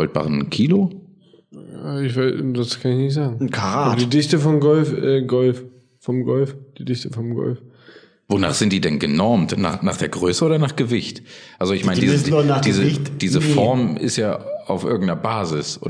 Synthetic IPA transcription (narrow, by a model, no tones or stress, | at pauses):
ɔlt̚b̥a̰ːʁənkʰiːlo | jaːɪçvaɪdaskʰanɪçnɪçtz̥aːɡŋ̩nkʰaʁadiːdɪçtəfɔmɡɔlfɛːɡɔlf | fɔmɡɔlfd̥iːdɪçtəfɔmɡɔ̰lf | vona̰ːχz̥ɪnt̚d̥iːdɛnɡənɔɐmtna̰ːχnaːχd̥eːɐɡʁøːsəoːdɐnaːχɡ̥əvɪçtʔalzoɪçmaɪndizsnad̥iːzətd̥iːzəfɔɐmɪ̰stjaːa̰ʊfʔɪ̰ɐɡŋ̩tnɐbaːzɪsʔo̰ː